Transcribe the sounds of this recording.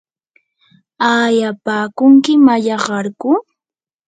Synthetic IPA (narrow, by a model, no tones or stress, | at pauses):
aːjapaːkʊŋkɪmaʎɑɢɑɾkʊ